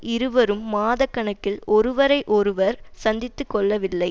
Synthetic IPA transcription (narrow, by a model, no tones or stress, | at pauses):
ɪɾɯʋɐɾɯmːaːðɐkːɐɳɐkːɪlɔɾɯʋɐɾɐɪʔɔɾɯʋɐɾsɐnd̪ɪt̪ːɯkːɔɭːɐʋɪlːɐɪ